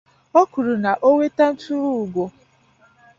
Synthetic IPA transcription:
ɔ˦ku˨ɾu˨na˨ʔo˦ŋʷe˦ta˦n̩˦tu˦ɾu˦˨ɡʷo˨

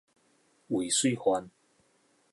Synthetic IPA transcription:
wi˨˩˨swi˥˧xwa˧˦n

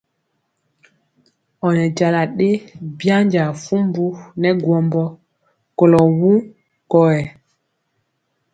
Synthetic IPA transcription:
ɔ˨nɛ˨d͡ʒa˨la˨ɗe˦bja˦ɲd͡ʒa˨fu˦mbu˦nɛ˦ɡwɔ˦mbɔ˦ | ko˨lɔ˨wu˦ | kɔ˨ɛ˨

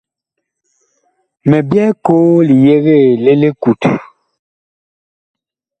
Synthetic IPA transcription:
mɛ˨bjɛ˦koː˦li˨je˦ɣe˦˨le˦le˦ku˨t

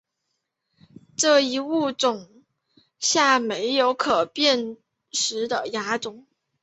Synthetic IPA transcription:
ʈ͡ʂɤ˥˩i˧˥u˥˩t͡sʊ˨˩ŋ | ɕja˥˩me˧˥ɪjo˧˥ʊkʰɤ˨˩pjɛ˥˩n | ʂɻ̩˧˥d̪ə˧ja˧˥ʈ͡ʂʊ˨˩˦ŋ

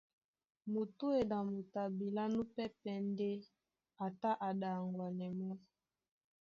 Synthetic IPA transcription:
mo˨tu˦e˨na˨mo˨ta˨bi˨la˦nu˦pɛ˦pɛ˦n˦de˦ | a˨ta˦ʔa˨da˨ŋɡwa˨nɛ˨mɔ˦

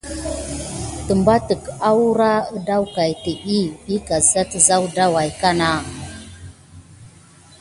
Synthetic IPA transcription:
tə˨mba˦tə˨ka˦wu˦ɾa˦ə˦da˦wka˨jtə˨ʔi˦i˦ka˨za˦tə˨za˦wda˦wa˨jka˦na˦˨

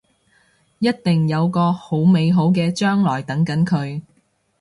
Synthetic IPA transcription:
jɐ˥t̚t̪ɪ˨ŋjɐ˨˧wkɔː˧ho˨˥wme˨˧jɦo˨˥wk̬ɛː˧t͡ʃœː˥ŋlɔː˨˩jt̪ɐ˨˥ŋkɐ˨˥nkʰɵ˨˧ɥ

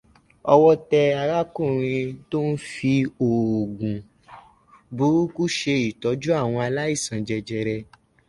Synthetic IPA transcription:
ɔ˧wɔ˦tɛ˧a˨˧ɾa˦kũ˦˨ɾ̃ĩ˧to˦n̩˦fi˧o˨ɡũ˨ | bu˨˦ku˦ʃe˧i˨tɔ˨˦d͡ʒu˦a˦˨w̃ɔ̃˧a˧la˦i˦˨sã˨d͡ʒɛ˧d͡ʒɛ˧ɾɛ˧

